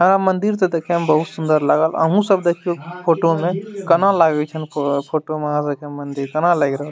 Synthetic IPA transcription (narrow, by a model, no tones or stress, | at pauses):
ɦə̃ɾamənd̪iɾt̪ɔd̪ekʰeəmbəɦut̪sũnd̪əɾlaɡələ̰ɦũsəbd̪ekʰijopʰoʈomekənalaɡɛt͡ʃʰənpʰoʈoməɦãsəbkemənd̪iɾkənalaɡɾəɦəl